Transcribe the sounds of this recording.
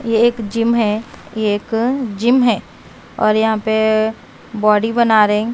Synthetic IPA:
jeeːkd͡ʒɪmɦɛjeːkd͡ʒɪmɦɛː | ɔ̰ːɾjɐɦãpe | bɔːɖibɐnaːɾɐɦɛ̃

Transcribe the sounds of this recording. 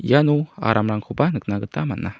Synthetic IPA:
janua̰ɾʔamɾaŋkʰubanɨknaɡət̪ama̰na

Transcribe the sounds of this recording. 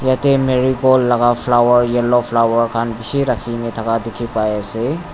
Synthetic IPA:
jatemeɾiɡɔlːaɡapʰlawəɾjelopʰlawəɾkʰanbisiɾakʰinitʰakadikʰipajase

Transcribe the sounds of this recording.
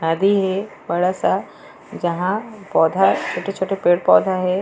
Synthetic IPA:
naːd̪iɦe | bɐɽasa | d͡ʒɐɦãpɔːd̪ʱat͡ʃʰoːʈet͡ʃʰoːʈepeːɽpɔːd̪ʱaɦeː

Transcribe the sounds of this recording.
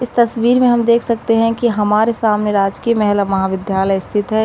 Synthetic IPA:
ɪst̪ɐsʋiːɾmẽɦɐmd̪eːkʰsɐk̚t̪eɦɛ̃kiɦɐmaːɾesaːmneɾaːd͡ʒkiəmɛɦləmɐɦaːʋɪd̪jaːləjɪst̪ʰɪt̪ɦɛː

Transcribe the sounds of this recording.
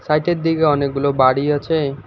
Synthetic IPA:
sajʈed̪iɡaɔnekɡulobaɽiɔt͡ʃʰe

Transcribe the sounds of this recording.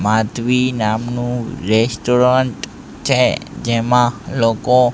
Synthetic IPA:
mat̪ʋinamnũɾɛsʈoɾaɳʈ | t͡ʃʰed͡ʒemãloko

